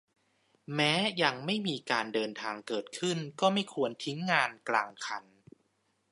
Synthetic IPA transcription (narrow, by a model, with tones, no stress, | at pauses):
mɛː˦˥ja˧ŋma˥˩jmiː˧kaː˧ndɤː˧nt̪ʰaː˧ŋkɤː˨˩t̪̚kʰɯ˥˩nkɔː˥˩ma˥˩jkʰu˧ənt̪ʰi˦˥ŋːaː˧nklaː˧ŋkʰa˧n